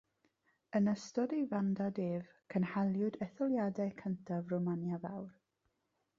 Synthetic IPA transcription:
ənəstɔdejvandadeːv | kʰənhalˠjʊdɛθɔlˠjadɛkʰəntʰavromanjavawr

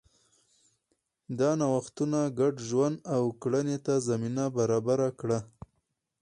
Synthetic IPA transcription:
d̪ɑnawaxt̪unaɡaɖʒwand̪awkɽanet̪azaminabaɾɑbaɾakɽa

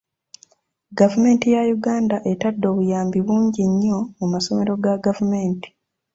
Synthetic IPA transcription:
ɡavume̞ːntijajuɡaːndaʔetadːo̞ːβujaːmbiβuːɲɟiɲːo̞mumaso̞me̞ɾo̞ɡaɡavume̞ːnti̥

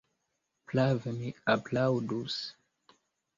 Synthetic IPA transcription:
plavmiaplawdus

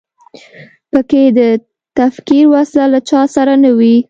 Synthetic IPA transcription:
pəked̪ə | t̪afkiɾwaslalat͡ʃɑsaɾanawi

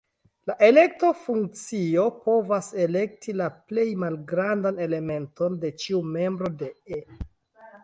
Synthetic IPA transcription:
laʔe̞le̞k̚tofuŋkt͡sio̞po̞vase̞le̞k̚tʰilaple̞jmalɡɾandane̞le̞me̞nto̞nde̞t͡ʃiume̞mbɾo̞de̞e

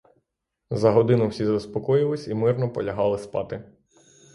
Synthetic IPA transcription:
zɐɦɔd̪ɪnʊwsʲizɐspɔkɔjɪlˠɪsʲimɪrnɔpɔlʲɐɦɑlˠɪspɑ̰t̪ɪ

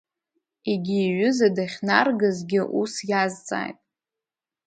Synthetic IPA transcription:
iɡʲiːɥʏzadaχʲnarɡazɡʲɪʔusjazt͡sʼa̰ːjtʼ

